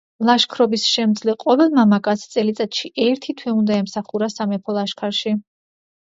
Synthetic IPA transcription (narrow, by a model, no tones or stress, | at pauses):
lˠaʃkʰɾɔbisʃɛmd̪zliqʼɔvɛlˠmamakʼast̪sʼɛlit̪sʼat̪ʃiʔɛɾt̪ʰit̪ʰwɛund̪aɛmsaχuɾasamɛpʰɔlˠaʃkʰaɾʃi